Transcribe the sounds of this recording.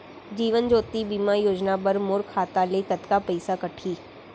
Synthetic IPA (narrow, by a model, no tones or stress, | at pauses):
d͡ʒiːʋənd͡ʒoːt̪ibiːmajoːd͡ʒnabɐɾmoɾkʰːaːt̪alekət̪kapɐɪsakɐʈʰiː